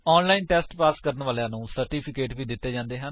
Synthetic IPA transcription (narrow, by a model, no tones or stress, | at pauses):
ɔːnlaːinʈɛːsʈpaːskəɾənʋaːljãːnũːsəɾʈiːpʰɪkeːʈʋiːd̪ɪt̪ːeːd͡ʒãːnd̪eːɦən